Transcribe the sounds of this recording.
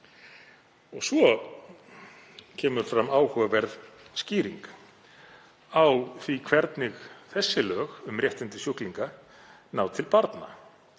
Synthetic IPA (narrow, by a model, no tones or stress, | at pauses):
ɔɣsvɔ | cʰɛːmʏɾ̥fɾamːaːwhœɣavɛɾðsciːɾiŋk | awθvikʰv̥ɛɾt̪nɪɣθɛsːɪlœːɣʏmrjɛht̪ɪnt̪ɪsjuhkliŋka | naːwt̪ʰɪlpaɾt̪na̰